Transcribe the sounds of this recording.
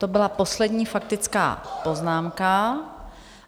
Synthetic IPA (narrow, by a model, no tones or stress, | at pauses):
t̪o̞bɪlapo̞slɛdɲiːfak̚t̪ɪt͡ska̰ːpo̞znaːmka